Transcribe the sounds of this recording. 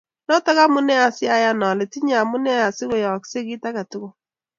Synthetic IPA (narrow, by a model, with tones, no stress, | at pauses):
nɔ˦tɔ˦ɣa˦mʊ˦nɛ˦a˨sɪ˦a˦ja˦nɔ˨le˨ti˦ɲa˨mʊ˦nɛ˦a˨sɪ˦ɣo˨jɔ˨kse˦ɣi˦ta˦ɣa˨tʊ˦ɣo˦